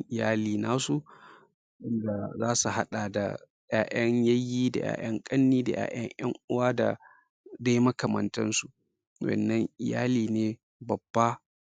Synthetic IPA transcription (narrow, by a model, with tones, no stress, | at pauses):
ʔɪ˨jaː˦liː˨naː˦su˨ | ʔɪ˦nda˨zaː˦su˨ha˦ɗa˨da̰˨ | jaː˨ʔɐ˦ɲjɐ˦jːiː˦da̰˨ja̰ː˨j̰ɐ˦ŋkʼɐ˦nːiː˦da˨ja̰ː˨j̰ɐ˦ɲj̰ɐ˦ŋʔʊ˦waː˦da̰˨ | da˦jmɐ˦kɐ˨mɐ˨ntɐ˦nsu˨ | wɐ̰˨nːɐ˦ŋʔɪ˨ja̰ː˦liː˨neː˨ | bɐ˨bːa˦